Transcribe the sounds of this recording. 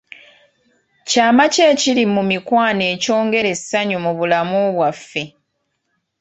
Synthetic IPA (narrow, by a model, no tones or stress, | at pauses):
caːmace̞ːcilimumikwaːne̞ːco̞ːŋɡe̞ɾe̞sːaɲumuβulamuβwafːe̞